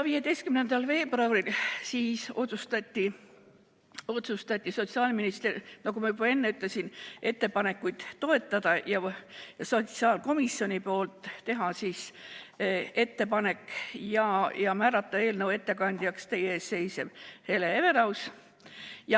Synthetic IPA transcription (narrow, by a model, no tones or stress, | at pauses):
vije̞d̪e̞jst̪̚kymnend̪̥ɑlfe̞ːbrɑwɾilsiːso̞t̪sust̪ɑt̪ʲːi | o̞t̪sust̪ɑt̪ʲːˑiso̞t̪siɑːlminist̪ernɑkumɑjubɑe̞nːeyt̪ˑlesinʔe̞t̪ːe̞pɑne̞kːˑujd̪̥t̪o̞e̞t̪ːˑɑd̪̥ɑjɑjɑso̞t̪siɑːlko̞misːjo̞nʲipo̞ːlt̪ˑːe̞ɦɑsiːs | e̞t̪ːe̞pɑne̞kːˑjɑjɑmæːɾɑt̪ːˑɑe̞ːlnəwe̞t̪ːe̞kɑnʲd̪̥ʲjɑkst̪e̞jeeːsːe̞jsev̥he̞leeve̞ɾɑws | jɑ